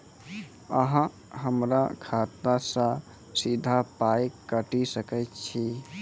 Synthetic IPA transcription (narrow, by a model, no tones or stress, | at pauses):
əɦã | ɦəmɾakʰat̪nasə̃ | sid̪ʱapajeəʈisəkɛjtt͡ʃʰi